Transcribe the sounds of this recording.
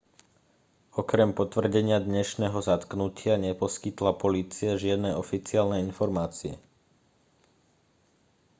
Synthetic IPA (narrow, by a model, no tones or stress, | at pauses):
ɔkɾɛmpɔt̪ʋr̩ɟɛɲɪad̪ɲɛʃnɛːɦɔzat̪knucʰɪaɲɛpɔskit̪lapɔliːt͡siaʒɪad̪nɛɔfit͡siaːlnɛinfɔɾmaːt͡siɛ̰